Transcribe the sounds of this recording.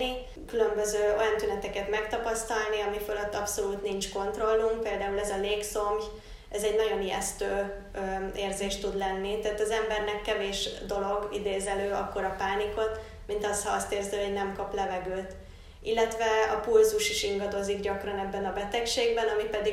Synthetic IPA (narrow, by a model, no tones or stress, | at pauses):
i | kylø̞mbøzøːo̞jɒnt̪ynɛt̪ɛkɛt̪mɛkt̪ɒpɒst̪ɒlniɒmiføløt̪ːɒpso̞luːt̪nint͡ʃko̞nt̪ro̞lːumk̚peːld̪aːulɛzɒleːkso̞mj | ɛzɛɟnɒɟo̞nijɛ̰st̪øː | eːrzeːʃt̪ud̪lɛnːit̪aːt̪ɒzɛmbɛrnɛkːɛveːʃd̪o̞lo̞ɡḭd̪eːzɛløːɒkːo̞ɾɒpaːniko̞t̪ | mint̪ɒst̪hɒɒst̪eːrziɦo̞ɟnɛmkɒplɛvɛɡøːt̪ | ilːɛt̪ʋɛɒpulzuʃiʃiŋɡɒd̪o̞ziɡɟɒkrɒnɛbːɛnɒbɛt̪ɛkʃeːɡbɛnɒmipɛd̪i